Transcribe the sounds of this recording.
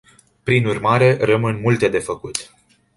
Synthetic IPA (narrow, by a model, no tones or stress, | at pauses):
pɾinurmaɾe̞rəmɨnmult̪e̞d̪e̞fəkut̪